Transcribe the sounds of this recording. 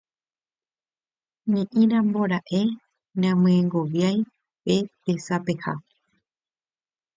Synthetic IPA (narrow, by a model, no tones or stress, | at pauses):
ɲĩʔĩɾãmbo̞ɾaʔe | ɲãmɨ̃ẽŋɡo̞ʋjaj | pepesape̞ha̰